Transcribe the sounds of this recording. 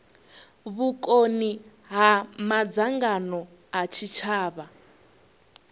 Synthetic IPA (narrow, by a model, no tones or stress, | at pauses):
βukʼoni | ɦamad͡zaŋɡanɔ | ɦat͡ʃʰit͡ʃʰaːβa